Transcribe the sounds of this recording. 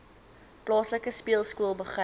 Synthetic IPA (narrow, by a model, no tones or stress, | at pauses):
plɑːsləkəspiəlˠskuəlˠbəχrə